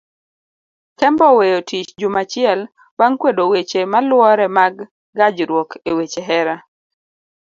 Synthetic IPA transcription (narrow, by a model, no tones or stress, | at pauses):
kɛmbɔwejotit͡ʃd͡ʒumat͡ʃɪɛl | waŋkwedowet͡ʃemalwɔɾɛmaɡː | ad͡ʒɾwokʰewet͡ʃeɦɛɾa